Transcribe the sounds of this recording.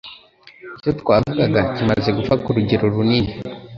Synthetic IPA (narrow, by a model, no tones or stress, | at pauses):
ecotkwaːvuɡaɡacimaze̞ɡufakuɾuɟeɾo̞ɾuniːni